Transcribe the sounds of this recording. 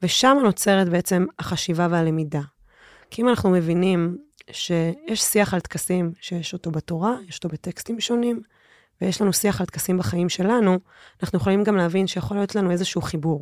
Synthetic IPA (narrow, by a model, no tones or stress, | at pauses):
ve̞ʃamano̞t͡se̞ʁet̪̚beet͡se̞maχaʃivavealemida | kiimanaχnume̞vinimʃe̞jeʃsiaχalt̪kasimʃejeʃo̞to̞bato̞ʁajeʃotobetekstimʃo̞nim | vejeʃlanusiaχalt̪kasimbaχaimʃe̞lanu | anaχnujeχolimɡamleavinʃejeχo̞lijo̞tlanue̞zeʃuuχibuʁ